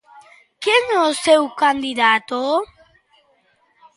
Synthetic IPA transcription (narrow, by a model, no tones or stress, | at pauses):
keŋosewkand̪iðat̪o